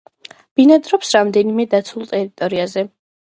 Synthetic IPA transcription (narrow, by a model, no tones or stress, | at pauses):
b̥inad̪ɾɔpsɾamd̪ɛnimɛd̪at̪sʰulˠt̪ʼɛɾit̪ʼɔɾiazɛ